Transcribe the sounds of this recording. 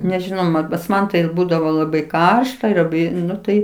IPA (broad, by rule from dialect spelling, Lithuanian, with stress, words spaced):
nʲɛʒʲɪˈnɐʊ ˈmɐn pɐs ˈmɐn tɐɪ ˈbuːdɐʋoː lˠɐˈbɐɪ ˈkɐrʃtɐ ɪr lˠɐˈbɐɪ ˈnʊ ˈtɐɪ